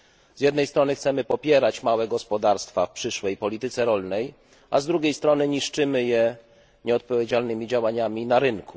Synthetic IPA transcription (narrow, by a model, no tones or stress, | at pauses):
zʲjɛd̪nɛjst̪ɾɔnɘxt̪sɛmɘpɔpʲjɛɾat͡ɕmawɛɡɔspɔd̪aɾst̪fafpʂɘʂwɛjpɔlʲit̪ɘt̪sɛɾɔlnɛj | ʔazd̪ɾuɡʲejst̪ɾɔnɘɲiʂt͡ʂɘmɘjɛ | ɲɛɔt̪̚pɔvʲjed͡ʑalnɘmʲid͡ʑawaɲamʲinaɾɘnkʰu